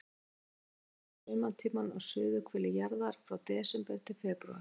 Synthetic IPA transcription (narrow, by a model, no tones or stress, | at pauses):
ʏmant̪ʰiːmanaɣsʏːðʏkʰvɛːlɪjaɾðaɾ̥fɾawt̪ɛːsʏmpɛɾt̪ʰɪlfɛːpɾua̰ɾ